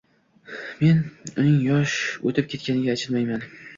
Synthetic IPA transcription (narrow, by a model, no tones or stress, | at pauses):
me̞nʊnɪŋjɒʃot̪ʰɪp̚kʲʰe̞t̪kʲanɪɡʲaːt͡ʃʰɪlmajman